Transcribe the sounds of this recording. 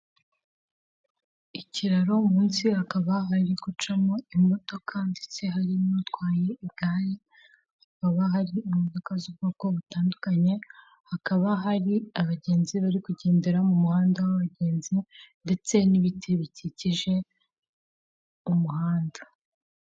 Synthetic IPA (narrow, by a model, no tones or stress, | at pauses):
iciɾaɾo̞muːnsihakaβaɦaɾikut͡ʃamoimo̞to̞kʰandet͡se̞ɦaɾinutɡwaːjeib̚ɡaːje | hakaβaɦaɾiimoto̞kazub̚ɡoːko̞βutaːndukaɲe̞ | hakaβaɦaɾiaβaɟe̞ːnziβaɾikuɟe̞ːnde̞ɾamumuhaːndawaβaɟe̞ːnzinde̞t͡se̞niβitʰeβiciciʒe̞ | umuhaːnda